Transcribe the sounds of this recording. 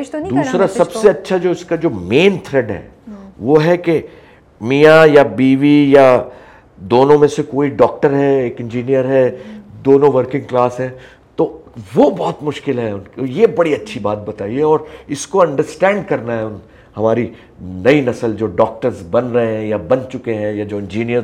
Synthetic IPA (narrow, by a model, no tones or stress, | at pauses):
d̪uuːsɾasɐbsseɐtːʃʰad͡ʒoːɪskad͡ʒoːmẽːnt̪ʰɾɛɖɦɛ̰ː | ʋoɦɛke | miːjajabiːʋija | d̪oːnõmẽsekoːiɖɔːk̚ʈəɾɦɛeːkɪ̃nd͡ʒiːnijəɾɦɛd̪oːnõʋɐɾkɪ̃ŋɡklaːsɦɛ̃ː | t̪oːʋobɔːt̪mʊʃkɪlɦɛʊnkjebɐɽiɐtːʃʰibaːt̪̚bɐt̪aːieɔːɾɪskoɐ̃ɳɖəɾsʈɛ̃ːɳɖkɐɾnaɦɛʊn | hɐmaːɾi | nɐinɐsəld͡ʒoːɖɔːk̚ʈəɾzbɐnɾɐɦẽɦɛ̃jabɐnt͡ʃʊkeɦɛ̃jad͡ʒoːɪ̃nd͡ʒiːnijəɾ